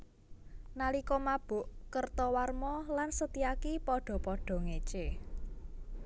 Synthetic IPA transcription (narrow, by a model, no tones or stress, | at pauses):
nalikɔmab̥ʊ̤ʔkərt̪ɔwarmɔlansət̪iakipɔɖ̥ɔ̤pɔɖ̥ɔ̤ŋet͡ʃe